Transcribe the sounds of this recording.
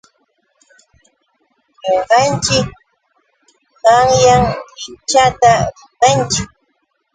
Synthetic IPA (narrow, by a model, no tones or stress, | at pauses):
ɲoɢɑnt͡ʃɪk̚ | ɢɑŋjaŋɪt͡ʃat̪aɾɪkant͡ʃʊ